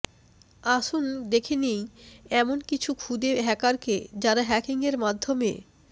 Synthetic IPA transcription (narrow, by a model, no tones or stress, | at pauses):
aʃund̪ekʰenejɛmonkit͡ɕʰukʰud̪eɦɛkaɾked͡ʑaɾaɦɛkiŋeɾmad̪ʱːomḛ